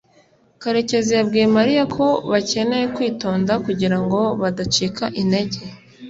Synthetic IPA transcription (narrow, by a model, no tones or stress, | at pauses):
kaɾe̞ce̞zijabɡiːjemaɾijakʰo̞βace̞ne̞jekwiːto̞ːndakuɟiɾaŋɡo̞βadat͡ʃikaʔinde̞ɟe̞